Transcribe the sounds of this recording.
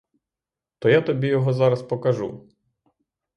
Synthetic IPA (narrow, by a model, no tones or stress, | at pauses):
t̪ɔjat̪ɔbʲijɔɦɔzɑɾɐspɔkɐʒṵ